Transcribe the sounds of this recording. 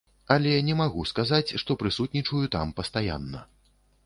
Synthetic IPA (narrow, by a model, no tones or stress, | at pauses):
ɐlʲɛnʲɛmaɣuskazat͡sʲʂt̪ɔpɾɨsut̪nʲit͡ʂujut̪a̰mpɐst̪aja̰nːɐ